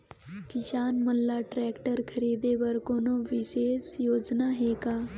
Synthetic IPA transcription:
kiɕanməlːaʈɾɛkʈəɾkʰəɾid̪eʋəɾkonoʋiɕesjod͡znaɦeka

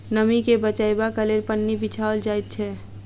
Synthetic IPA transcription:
nəmikebət͡ʃaebakəleɾpənːibit͡ʃʰaold͡ʒaːit̪̚t͡ʃʰɛ

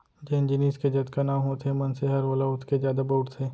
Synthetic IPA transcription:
d͡ʒɛnd͡ʒɪniːsked͡ʒɐd̪kanaːmɦot̪ʰemɐnseɦɐɾʋoːlaʊt̪ʰkezjaːd̪aboʊʈsʰeː

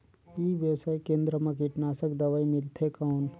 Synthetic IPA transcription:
iʋjəwsaːjkẽːnd̪ɾəmãkɪʈnaːsəkd̪əʋaimɪlt̪ʰekawn

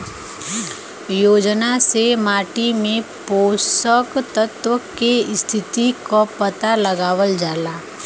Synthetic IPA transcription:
joːd͡ʒnasemaːʈimẽpoːsəkt̪ət̪wəkest̪ʰɪt̪ikopət̪aləɡaːwəld͡ʒaːlaː

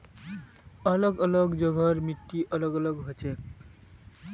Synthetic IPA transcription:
ʌlʌɡʌlʌɡd͡ʒʌɡʱʌɾmit̪ːiʔʌlʌɡʌlʌɡɦʌt͡ʃek̚

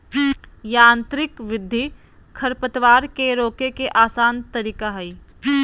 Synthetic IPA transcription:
jaːnt̪ɾɪkʋɪd̪ʱːi | kʰɐɾpət̪ʋaːɾkeɾoːkekeʔaːsaːnt̪ɐɾiːkaɦɛi

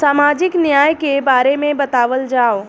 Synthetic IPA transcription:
saːmaːd͡ʒɪknjaːjkebaːɾemẽbɐt̪aːʋəld͡ʒaːo

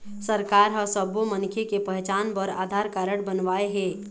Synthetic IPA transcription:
səɾkaːɾɦəsəbomənkʰekepəɦɛt͡ʃaːnpəɾa̰ːd̪ʱaɾkaːɾəɽ̃bənʋaːeɦɛː

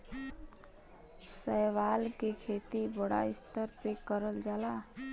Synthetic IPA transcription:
sɛːʋaːlkekʰeːt̪ibəɽa̰ɪst̪əɾpekəɾəld͡ʒaːla

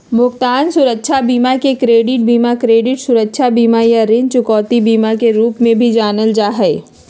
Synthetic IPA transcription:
mʊkt̪aːnsʊɾəkʃʰabiːmakekɾeːɖɪʈ̚biːmakɾeːɖɪʈsʊɾəkʃʰabiːmajaɾɪ̃nt͡ʃʊkɔːt̪ibiːmakeɾuːpmẽbʱid͡ʒaːnəld͡ʒaːɦɛ

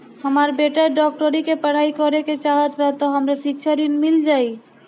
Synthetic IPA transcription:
həmaːɾbeːʈaɖɔːk̚ʈəɾikepəɽ̤aːikɔɾeket͡ʃaːɦət̪pɛt̪ɔɦəmɾesɪkʃʰaɾinmɪld͡ʒaːi

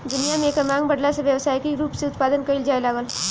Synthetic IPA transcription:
d̪ʊnijamẽːkəmãːŋɡbɐɽlaseʋjɐʋsaːjkiɾuːpseʊt̪̚paːd̪ənkɐild͡ʒaːelaːɡəl

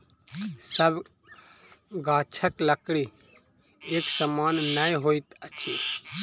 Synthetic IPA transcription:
səb | ɡaːt͡ʃʰəkləkɽi | eksəmaːnːəjɦoit̪ət͡ʃʰi

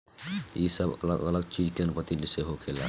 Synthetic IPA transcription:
ḭsəbə̰ləɡələɡt͡ʃid͡ʒkenpət̪iliseɦokʰela̰

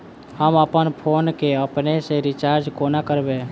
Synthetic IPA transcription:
həməpənpʰoːnkeəpneseɾɪt͡ʃaːɾd͡ʒkoːnakəɾbẽː

